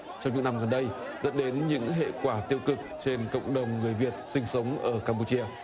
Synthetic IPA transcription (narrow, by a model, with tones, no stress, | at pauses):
t͡ɕɔ˧wŋ͡mɲɨ̰˧˥ŋna˧mɣə˨˩nɗə˧jzə̰˦˥nɗe˨˦nɲɨ̰˧˥ŋɦḛ˧˨kwaː˧˩t̪i˧əwkɨ˨˩k̚t͡ɕe˧nkə̰˧˨wŋ͡mɗə˨˩wŋ͡mŋɨ˨˩əjvi˨˩ət̚sï˧ŋ̟sə˨˦wŋ͡mʔəː˧˩kaː˧mp̬u˧t͡ɕi˧ə